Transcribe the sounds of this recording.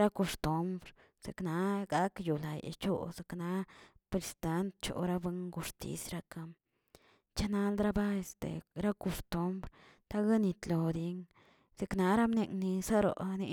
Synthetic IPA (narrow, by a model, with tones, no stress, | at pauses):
ɾa˦ko˧st̪u˧˦mbɾ | se˨kna˧˦ɡa˦kju˨la˨j̰t͡ʃo̰˦se˨kna˧˦pɾe˧˨si̥˧t̪a˧˦nt̪t͡ʃo̰˨ɾa˦be˧ŋɡu˧ʂt̪ḭ˦sɾa˧ka˧m | t͡ʃa˦na˧ld̪ɾa˦ba˦e˧st̪ḛ˨ɾa˦ko˧st̪u˧˦mbɾ | t̪a˦ɡa˦ni˧t̪lo˨d̪i˧˦ŋ | se˧kna˧ɾa˦mne˧ŋni˧sa˦ɾo̰˨ni˧